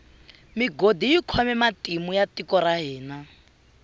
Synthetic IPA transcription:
miɡodijikʰɔmɛmatʼimujatikɔɾaɦɛːna

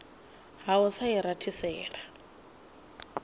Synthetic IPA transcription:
ɦaʊsaiɾatʰisɛːɺa

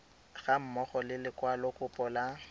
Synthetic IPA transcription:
ɣam̩mɔχɔlɪlɪkʼwalɔkʼʊpʼɔla

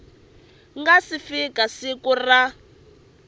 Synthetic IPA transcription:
ŋɡasifikasikura

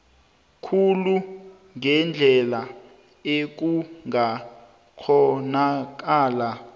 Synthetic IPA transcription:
kʰulu | ŋɛnd͡ɮʱɛla | ek̬uŋa | kʰɔnak̬aːla

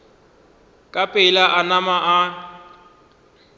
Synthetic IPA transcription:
kʼapʼelaʔanamaʔa

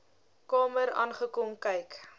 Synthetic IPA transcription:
kɑːməɾɑ̰ːnχəkɔmkɛjk

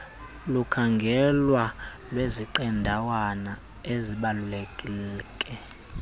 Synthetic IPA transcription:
lukʰaŋɡʱɛlwalweziǃɛndʱawana | eziɓalulekʼilɛkʼɛ

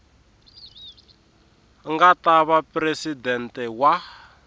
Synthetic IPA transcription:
ŋɡataβapresidɛntɛwa

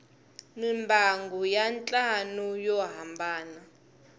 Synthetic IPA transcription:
mimbʱaŋɡujant͡ɬʼanujɔɦambʱaːna

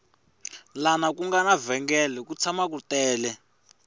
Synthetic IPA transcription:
lanakuŋɡanavɛŋɡɛlɛkut͡sʰamak̬utɛːlɛ

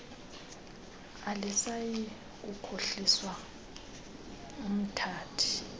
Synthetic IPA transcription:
alisaji | ukʰoɬiswa | um̩tʰaːtʰi̥

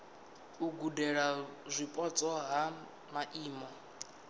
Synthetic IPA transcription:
uɡudɛɺazʷipʼɔt͡sʼɔɦa | maʔiːmɔ

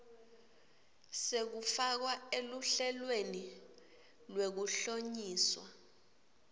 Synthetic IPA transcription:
sek̬ufak̬waeluɬɛlweni | lwek̬uɬoɲiːswa

